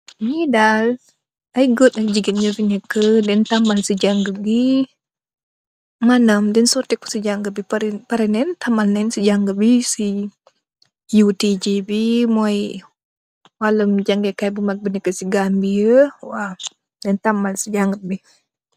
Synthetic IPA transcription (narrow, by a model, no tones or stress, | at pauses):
ɲidal | aiɡot̪̚nəkd͡ʒiɡət̪̚ɲəviɲəkədɛnt̪amalsəd͡ʒaŋɡəbi | manamdɛnsot̪iku̥səd͡ʒaŋɡəbipaɾnpaɾinɛnt̪amalnɛnsəd͡ʒaŋɡəbisi | jut̪id͡ʒibimoai | waləmd͡ʒaŋɡəkajbumak̚bənəkəsiɡambiəwa | dɛnt̪amalsəd͡ʒaŋɡəbi